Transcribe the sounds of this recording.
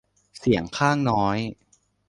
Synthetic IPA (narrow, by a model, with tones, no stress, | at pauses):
si˨˩˦əŋkʰaː˥˩ŋnɔː˦˥j